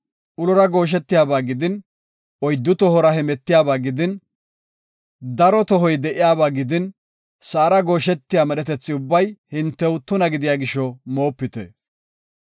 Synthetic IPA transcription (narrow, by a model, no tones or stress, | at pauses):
ʔʊlɔɾɐɡo̞ːʃ̬ɛt̪ːɪjaːbaːɡɪd̪ɪn | ɔjd̪ːʊt̪ɔɦɔɾɐhɛmɛt̪ːɪjaːbaːɡɪd̪ɪn | d̪ɐɾɔt̪ɔɦɔjd̪ɛʔɪjaːbaːɡɪd̪ɪn | saːɾɐɡo̞ːʃɛt̪ːɪjaːmɛɗɛt̪ɛt͡sːɪʊbːɐjhɪnt̪ːɛwt̪ʊnɐɡɪd̪ɪjaːɡɪʃːɔmo̞ːpːɪt̪ɛ̰